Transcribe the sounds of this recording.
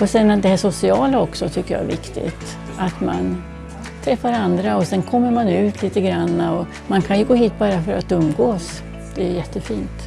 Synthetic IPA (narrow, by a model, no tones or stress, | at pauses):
ɔsɛnd̪ɛhæʂʊsɪɑːlaɔksɔt̪ʰʏkːəjɑ̰ɛ̰vɪ̰kt̪ɪ̰t̪ | at̪ma̰n | t̪ʰɾɛfːaɾand̪ɾaɔsɛnkʰɔmːəɾmanʉ̟ːt̪ʰliːt̪əɡɾanːaɔ | mankʰanjɵɡoːɦiːt̪̚bɑːɾafœɾat̪ɵmːɡoːs | d̪̥ɛæjɛt̪ːəfiːnt̪